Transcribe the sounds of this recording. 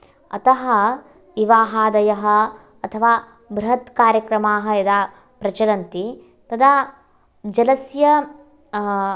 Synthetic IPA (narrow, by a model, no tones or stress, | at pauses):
ɐ̰t̪ɐɦɐ | ʋiʋaːɦaːd̪ɐjɐɦɐ̆ | ɐt̪ʰɐʋaː | bɾɐɦɐt̪kaːɾjɐkɾɐmaːɦɐ̆ɐd̪a | pɾɐt͡ʃɐlɐnt̪i | t̪ɐd̪a | d͡ʒɐlɐsjɐ